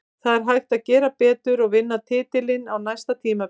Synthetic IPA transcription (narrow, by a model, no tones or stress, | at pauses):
θaðɛɾ̥ɦajxt̪aðcɛːɾapɛːt̪ʏɾɔɣvɪnːat̪ʰɪːt̪ɪlɪnawnajst̪at̪ʰiːma